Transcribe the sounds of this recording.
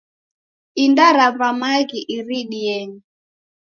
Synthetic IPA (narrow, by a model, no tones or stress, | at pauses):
indaɾaβamaɣiʔiɾiɗiɛɲi